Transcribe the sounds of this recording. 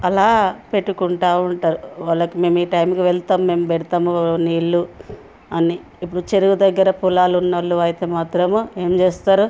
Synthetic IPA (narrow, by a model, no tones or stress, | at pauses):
ɐlaːpe̞ʈːukuɳʈaːwɐɳʈaːɾuʋaɭːɐkime̞ːmiːʈɐjmkiʋɛɭt̪aːmme̞ːmpeɽit̪aːmuniːɭːu | ɐniːpːuɽut͡ʃeɾuɡud̪ɐɡːɐɾɐpulaːlunːɐlːuɐjt̪eːmaːt̪ɾɐme̞ːmt͡ʃeːst̪aːɾu